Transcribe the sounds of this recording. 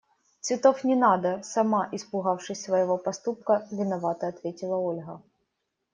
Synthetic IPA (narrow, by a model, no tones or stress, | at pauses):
t̪svʲɪt̪o̞fnʲɪnad̪əsɐmaʔɪspʊɣafʂɨsʲsvɐjɪvo̞pɐst̪up̚kəvʲɪnɐvat̪əɐt̪vʲetʲɪlˠəolʲɣə